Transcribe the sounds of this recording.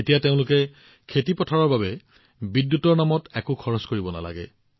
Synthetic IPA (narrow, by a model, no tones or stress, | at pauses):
etijateʊ̃lʊkɛ | kʰetipɔtʰɔɹɔɹbabɛ | bidjutɔɹnamɔtɛkʊkʰɔɹɔskoɹibɔna̰la̰ɡɛ̰